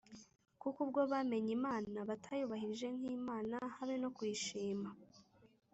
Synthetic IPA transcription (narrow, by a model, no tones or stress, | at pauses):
kukub̚ɡo̞βame̞ɲimaːnaβatʰajuβahiɾiʒe̞n̥hiːmaːnahaβeno̞kwiːʃiːma